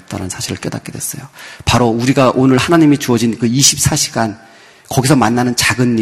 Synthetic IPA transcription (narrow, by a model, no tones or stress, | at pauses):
p̚t͈aɾansʰaɕʰiɾɯɭk͈eda̰k͈̚e̞dwe̞s͈ʌjopaɾouɾiɡaʔonɯɭhanaɲimit͡ɕuʌd͡ʑinkɯiɕʰip̚s͈aɕʰiɡan | kʌɡisʰʌmanːanɯnt͡ɕaɡɯnːi